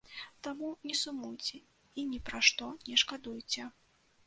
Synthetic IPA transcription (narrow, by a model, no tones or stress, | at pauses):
t̪amunʲɛsumujt͡sʲɛ | inʲɛpɾaʂt̪ɔnʲɛʂkad̪ujt͡sʲɛ